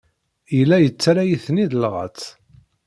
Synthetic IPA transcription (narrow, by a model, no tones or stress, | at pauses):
ilːæjət͡sːɾajiθniðlʁə̰t͡sː